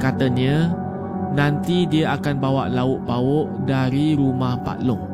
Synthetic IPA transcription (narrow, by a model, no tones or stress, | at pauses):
kat̪əɲə̃ | nãnt̪idiəʔakanbawaʔlaʊʔbaʊʔdaɾiɾumahpa̰ʔlʊŋ